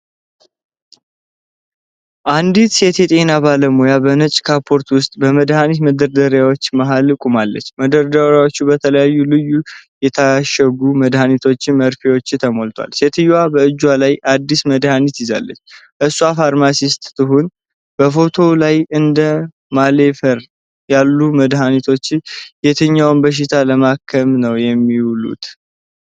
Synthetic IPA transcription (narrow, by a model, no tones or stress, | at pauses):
ʔand̪it̪se̞t̪jɛt̪ʼe̞nabaləmojabənət͡ʃʼkʰapʰo̞ɾt̪wʊst̪ʼbəməd̪hanit̪məd̪əɾd̪əɾjawo̞t͡ʃːmaɦalɨkʼumalːə̰t͡ʃːməd̪əɾd̪əɾjawo̞t͡ʃːubət̪ʰələjajːulɨjːujɛt̪ʰaʃəɡuməd̪hanit̪ʰo̞t͡ʃːɪnməɾfewo̞t͡ʃːt̪ʰəmo̞lt̪ʰwa̰lse̞t̪ʰɨjwabəɨd͡ʒːwalajʔad̪ːisməd̪hanit̪jɪza̰lːə̰t͡ʃːʔɨsuafaɾmasist̪ːɨɦun | b̥əfo̞t̪ʰo̞lajɨnd̪ə | male̞fəɾ | jalːuməd̪ɦanit̪ʰo̞t͡ʃːjet̪ʰəɲːawnbəʃ̬ɪt̪ʰaləmakʰːəmnəwjɛmːiulṵt̪